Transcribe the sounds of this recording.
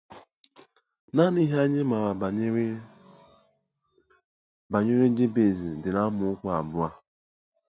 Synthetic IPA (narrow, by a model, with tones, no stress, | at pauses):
na˦ni˦ɦa˦ɲe˦ma˨ɾa˨˦ | ba˨ɲe˦ɾe˦d͡ʒe˦be˨zi˨dɪ˨na˦mʊ˨ʊ˦kʷa˦a˨bʊ˦a˦